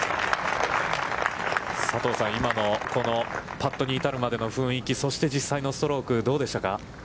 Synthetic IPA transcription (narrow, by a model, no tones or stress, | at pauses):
sat̪o̞ːsãɰ̃imano̞ko̞no̞pat̪ːo̞ɲ̟iːt̪aɾɯ̟mad̪e̞no̞ɸɯ̟̃ɰ̃ikʲiso̞ɕi̥t̪e̞d͡ʑisːaino̞st̪o̞ɾo̞ːkɯ̟d̪o̞ːd̪e̞ɕt̪aka